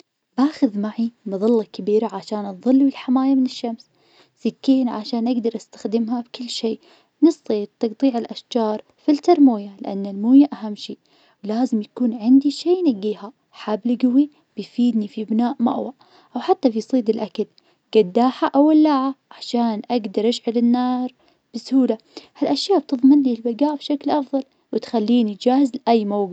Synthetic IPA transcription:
baːxʊðmaʕibɨðˤɑlːɑkabiːɾaʕaʃaːnðˤɨlːuɪlħamaːjamɪnɪʃːams | sɪkːiːnʕa̰ʃaːnʔaɡd̪ɑɾˤʔast̪ḁxd̪ɪmɦabkɪlːʃeː | nɨsˤːid̪̚t̪ɨɡt̪ˤiːʕɪlʔaʃd͡ʒɑːɾˤ | filt̪ɑɾmoːjalɪ̰ʔanːalmuːjaʔaɦamːʃiːʔ | wlaːzɪmjakuːnʕɪnd̪iʃeːnaɡːiːha | ħaːblɡʊwi | b̥ɪjfiːd̪nifibnaːʔma̰ʔwa | ʔawħat̪ːabijsˤiːd̪ɪlʔakal | ɡ̥ad̪ːaːħaʔawalːaːʕaʕaʕʃaːnʔaɡd̪ɑɾˤʔaʃʕɪlɪnːɑːɾˤ | b̥ɪshuːla | halʔaʃjaːʔb̚t̪ɨðˤmɪnlilbaɡaːʔbʃaklʔɑfðˤɑl | wɪt̪xalːiːnid͡ʒaːhɪzlʔajːmawɡɪ

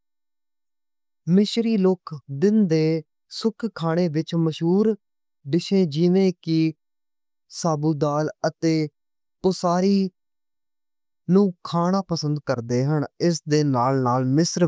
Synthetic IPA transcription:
mɪʃɾiːlokʰd̪ɪnd̪eː | sʊkʰkʰːaːɽ̃eːʋɪt͡ʃməʃɦuːɾ | ɖɪʃẽːd͡ʒɪːʋẽːkɪ | saːbuːd̪aːlət̪eː | pʊsaːɾiː | nũːkʰaːɽ̃ãːpəsə̃nd̪̚kəɾd̪eːɦəɳɪs̬d̪eːnaːlnaːlmɪsɾ

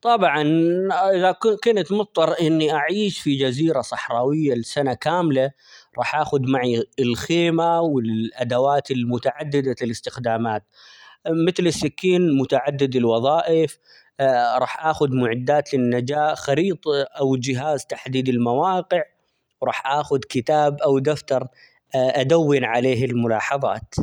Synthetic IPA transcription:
t̪ˤɑbʕɑnʔɪðakʊkʊnt̪mʊtt̪ˤːɑɾˤʔɪnːiʔaʕiːʃfid͡ʒaziːɾasˤɑħɾˤɑːwɪjːalɪsanakaːmla | ɾˤɑːħʔaːxʊd̪maʕiɪlxeːmawɪlʔad̪awaːt̪ɪlmʊt̪aʕad̪ːɪd̪alɪlɪst̪ɪxd̪aːmaːt̪̚ | mɪθlɪsːɪkːiːnmʊt̪aʕad̪ːɪd̪ɪlwɑðˤɑːʔɪf | ɾˤɑːħʔaːxʊd̪mʊʕɪd̪ːaːt̪lɪnːad͡ʒaːʔxɑɾiːt̪ˤʔawɪd͡ʒɪɦaːzt̪aħd̪iːd̪ɪlmawɑːqɪʕ | wɾˤɑːħʔaːxʊd̪kɪt̪aːbʔawd̪aft̪ɑɾˤ | ʔad̪awːɪnʕaleːɦɪlmʊlɑːħɑðˤɑ̰ːt̪

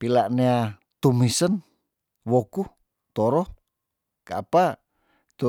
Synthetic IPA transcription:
pilaʔnea | t̪umisən | woku | t̪oɾɔ | kaːpa | t̪u

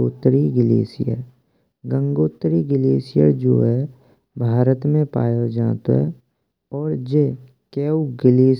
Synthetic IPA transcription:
oːt̪ɾiɡɪlḛːsɪ̰jə̰ɾ | ɡə̃ŋɡoːt̪ɾiɡɪleːsɪjə̰d͡ʒo̰ːɦɛ | bʱaːɾət̪mẽpa̰ːjod͡ʒãːt̪o̰ɦɛ̰ | ɔːɾd͡ʒeː | kɛːuɡɪleː

